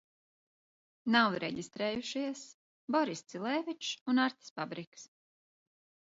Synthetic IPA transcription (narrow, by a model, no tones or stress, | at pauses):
nawɾɛɟʲist̪ɾeːjuʃiɛs | bɔɾist̪silˠɛvʲit͡ʃunaɾt̪ʲi̥sfabɾiks